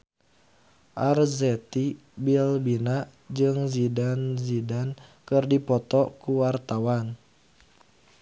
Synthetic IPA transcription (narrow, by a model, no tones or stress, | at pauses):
ʔarzɛt̪i | bilbinaʔ | d͡ʒɨŋzidanzidankɨrdipɔt̪ɔkuwart̪awan